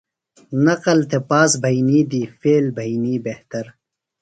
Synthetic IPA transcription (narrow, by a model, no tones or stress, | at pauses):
nɐqɐlt̪epaːsbɐjniːd̪iːfeːlbɐjniːbeht̪ɐɾ